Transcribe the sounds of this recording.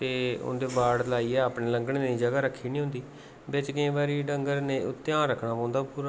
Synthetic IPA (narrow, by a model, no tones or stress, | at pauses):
t̪eːʊ̰nd̪eːbaːɽlaːiːɛːəːpɳeːləŋɡɽẽːd̪iːd͡ʒəɡaːɾəkʰːiːnĩːɦʊ̃nd̪iː | bɪt͡ʃkɪẽːbaːɾiːɖəŋɡəɾnẽːʊt̪ːjaːɾəkʰːnaːpãːnd̪aːpuːɾaː